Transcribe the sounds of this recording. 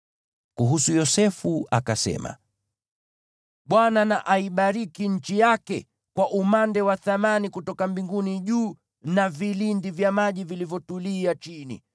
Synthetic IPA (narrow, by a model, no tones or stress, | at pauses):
kuɦusujɔsɛfuʔa̰kasɛ̰ma̰ | ɓwananaʔaiɓaɾikiɲ̩t͡ʃijakɛ | kwaʔumandɛwaθamanikutɔkambiŋɡuniʄuː | navilindivjamaʄivilivjɔtuliat͡ʃinḭ